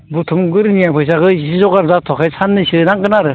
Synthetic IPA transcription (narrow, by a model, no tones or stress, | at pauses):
but̪ʰumɡɯɾnijapʰɯjs̬aɡɯsizɔkaɾzat̪ʰɔkʰejsʰanːɯsɯnaŋɡɯnaɾɯ